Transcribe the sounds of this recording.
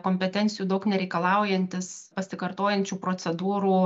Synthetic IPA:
koːmʲpʲɛt̪ʲɛnʲtsʲɪjuːd̪ɐʊknʲɛɾʲɛɪkɐlˠɐʊjɛnʲt̪ʲɪspɐsʲɪkɐɾt̪oːjɛnʲt͡ʃʲuːpɾoːtsʲɛd̪uːɾuː

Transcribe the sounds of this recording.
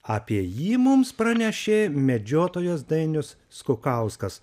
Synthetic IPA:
ɐːpʲiɛjiːmʊmspɾɐnʲɛʃʲeːmʲɛd͡ʒʲoːt̪oːjoːsd̪ɐɪnʲʊsːkʊkɐˑʊskɐs

